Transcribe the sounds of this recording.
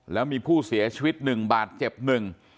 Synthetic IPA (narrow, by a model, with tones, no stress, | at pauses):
lɛː˦˥wmiː˧pʰuː˥˩si˩˦ɐt͡ɕʰi˧wi˦˥t̪̚nɯ˨˩ŋbaː˨˩t̪̚t͡ɕe˨˩p̚nɯ˨˩ŋ